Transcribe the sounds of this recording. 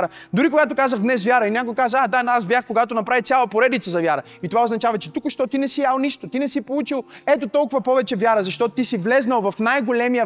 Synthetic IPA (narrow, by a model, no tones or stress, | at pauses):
ɾə | d̪ʊɾikoɡat̪̬okazəɣd̪nɛsvʲjaɾəinʲakʊjkazəad̪aazbjaxkoɡat̪onɐpɾavit̪sʲalˠəpoɾɛd̪it̪səzɐvʲjaɾə | it̪ovaoznɐt͡ʃavət͡ʃɛt̪ukʊʃt̪ɔt̪inɛsijalˠniʃt̪ot̪inɛsipolˠut͡ʃilˠɛt̪ot̪ɔlˠkʊvɐpɔvɛt͡ʃɛvʲjaɾəzɐʃt̪ɔt̪ot̪isivlɛznɐlˠvɐfnajɡolɛmijə